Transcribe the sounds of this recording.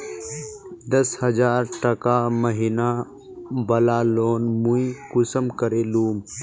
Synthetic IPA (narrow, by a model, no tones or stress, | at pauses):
d̪ɐshɐzaːɾʈɐkaːməɦina | bɐlaːloːnmuikʊsəmkəɾeːluːm